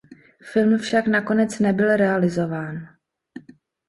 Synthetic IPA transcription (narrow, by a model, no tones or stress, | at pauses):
fɪlmfʃaknako̞nɛt͡snɛbɪlɾɛalɪzo̞vaːn